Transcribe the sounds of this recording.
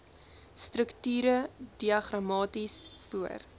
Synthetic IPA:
strəktyːɾəd̥iɐχrɐmɑːtisfuə̰r

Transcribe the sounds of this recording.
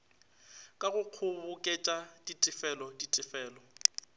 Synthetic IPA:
kʼaɣʊq͡χʰʊβʊkʼet͡ʃʼaditʼɪfɛlɔditʼɪfɛːlɔ

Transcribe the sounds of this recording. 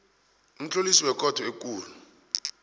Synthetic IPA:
um̩t͡ɬʰʼolisiwɛkʼɔtʰɔek̬ʼuːlu

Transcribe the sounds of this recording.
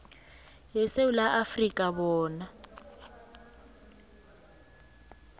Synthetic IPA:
jɛsewulaʔafrikʼaβɔːna

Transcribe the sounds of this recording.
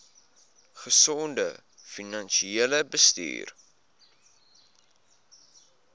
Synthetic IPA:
χəsɔndə | finɐnʃieːləbəsty̰ːr

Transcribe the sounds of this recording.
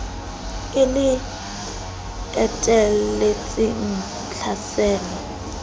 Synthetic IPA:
ɪlɪ | ɛtʼɛlet͡sʼɪn̩ | t͡ɬʰasɛːlɔ

